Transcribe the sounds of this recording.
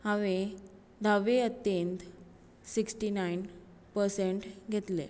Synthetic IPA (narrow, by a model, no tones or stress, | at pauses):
ɦaʋe | d̪ʱaʋeət̪jent̪ | siksʈinajn | pəɾseɳʈɡʱet̪lḛ